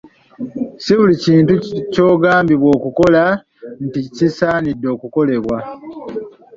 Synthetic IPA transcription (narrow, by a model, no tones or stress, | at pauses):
siβuliciːntuco̞ːɡaːmbiβwo̞ːkuko̞la | nticisaːnidːo̞ːkuko̞le̞βwa